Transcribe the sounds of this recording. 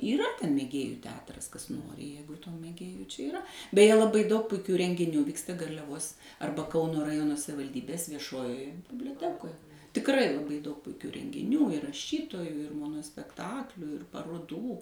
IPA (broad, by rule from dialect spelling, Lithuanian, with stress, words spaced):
iːˈrɐ ˈtʲɛn mʲeːˈɡʲeːjʊ ˈtʲɛɐtrɐs ˈkɐs ˈjɛɪɡʊ tuː mʲeːˈɡʲeːjʊ t͡ʃʲɛ ɪˈrɐ bʲɛˈjɛ lˠɐˈbɐɪ dɐʊk pʊɪˈkʲuː rʲɛŋʲɡʲɪˈnʲuː ˈʋʲiːkstɐ ɡɐrʲlʲɛˈʋoːs ˈɐrbɐ ˈkɐʊnoː rɐˈjoːnoː sɐʋʲɪʋɐlʲˈdʲiːbʲeːs ʋʲiɛˈʃoːjoːjɛ bʲɪbʲlʲoːˈtʲæːkoːj tʲɪkˈrɐɪ lˠɐˈbɐɪ dɐʊk pʊɪˈkʲuː rʲɛŋʲɡʲɪˈnʲuː ɪr rɐˈʃʲiːtoːjuː ɪr moːnoːsʲpʲɛkˈtɑːklʲuː ɪr pɐroːˈduː